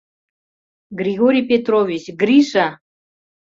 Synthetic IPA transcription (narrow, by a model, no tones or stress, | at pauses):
ɡɾʲiɡoɾʲijpʲet̪rovʲit͡ɕɡrʲiʃa